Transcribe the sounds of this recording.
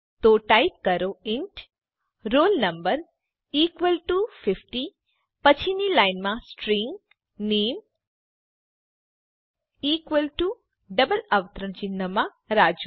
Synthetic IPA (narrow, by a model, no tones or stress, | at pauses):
t̪oʈaip̚kəɾoɪɳʈ | ɾoːlnɐmbəɾ | iːkʋəlʈufɪfʈi | pət͡ʃʰinilajnmãsʈɾiŋɡ | neːm | iːkʋəlʈu | ɖəbələʋət̪ɾənt͡ʃinːəmã | ɾaːd͡ʒu